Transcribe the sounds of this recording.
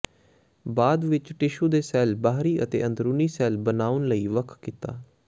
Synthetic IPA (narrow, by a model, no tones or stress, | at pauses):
baːd̪ʋɪt͡ʃʈɪʃũːd̪eːsɛːlbaːɦɾiːʔət̪ḛːʔənd̪ɾuːniːsɛːlbənaːʊnləiːʋəkʰkɪt̪a̰ː